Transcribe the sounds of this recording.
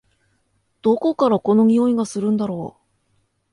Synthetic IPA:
d̪̥o̞ko̞kaɾako̞no̞ɲʲio̞iɡasɨɾɯ̟̃nd̪aɾo̞ː

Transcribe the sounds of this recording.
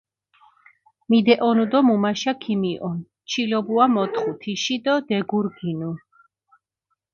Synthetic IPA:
mid̪ɛʔɔnud̪ɔmumaʃakʰimiʔɔn | t͡ʃʰilɔbuamɔt̪ʰχut̪ʰiʃid̪ɔd̪ɛɡuɾɡinu

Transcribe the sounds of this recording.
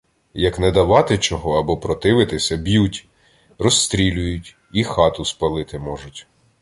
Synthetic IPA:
jɐknɛd̪ɐʋɑt̪ɪt͡ʃɔɦɔɐbɔpɾɔt̪ɪʋɪt̪ɪsʲɐbjutʲ | rɔst̪ɾʲilʲʊjʊtʲ | ixɑt̪ʊspɐlˠɪt̪ɪmɔʒʊtʲ

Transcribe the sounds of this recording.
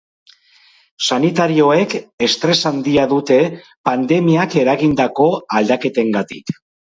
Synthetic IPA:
sanit̪aɾio̞e̞ke̞st̪ɾe̞sand̪iaðut̪e̞ | pand̪e̞miake̞ɾaɣind̪ako̞ald̪ake̞t̪e̞ŋɡat̪ḭk

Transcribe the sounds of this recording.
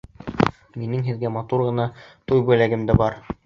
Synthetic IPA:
minɘŋɦɘ̆ðɡæmɑt̪uɾʁɤ̆nɑt̪ujbujlæɡɘ̆md̪ɘbɑɾ

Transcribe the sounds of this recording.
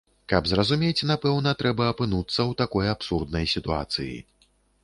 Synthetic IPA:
kɐbzrɐzumʲet͡sʲnapɛwnɐt̪ɾɛbɐːpɨnut̪sːɐwt̪akɔjapsurd̪nɐjsʲit̪ua̰t̪sɨjḭ

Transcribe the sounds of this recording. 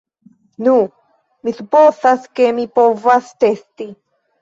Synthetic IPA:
nu | misupoθaskemipovast̪est̪i

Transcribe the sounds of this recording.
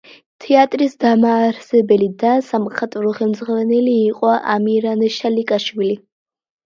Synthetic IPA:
t̪ʰɛat̪ʼɾisd̪amaːɾsɛbɛlid̪asamχat̪ʼvɾɔχɛlmzʁaɾanɛliːqʼɔaʔamiɾanɛʃalikʼaʃwili

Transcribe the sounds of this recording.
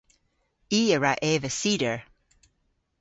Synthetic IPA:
iːəɹaʔeːvəsiːdəɹ

